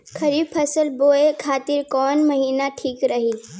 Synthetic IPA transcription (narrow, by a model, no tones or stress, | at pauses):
kʰəɾipʰəsəlboekʰaːt̪iɾkɔːnməɦiːnaʈʰiːkɾəɦi